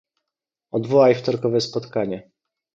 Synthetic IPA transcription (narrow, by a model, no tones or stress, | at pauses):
ɔd̪vɔwajft̪ɔɾkɔvɛspɔt̪kaɲɛ